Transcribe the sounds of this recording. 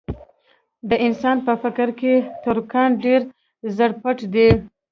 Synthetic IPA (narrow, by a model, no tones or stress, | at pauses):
d̪əʔɪnsɑnpəfɪkɾket̪ʊɾkanɖeɾ | zəɽpaʈd̪e